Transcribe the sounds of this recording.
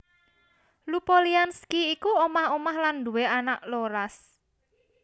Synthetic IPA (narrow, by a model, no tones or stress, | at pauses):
lupolianskiːkuomahomahland̪uweanaʔloɾas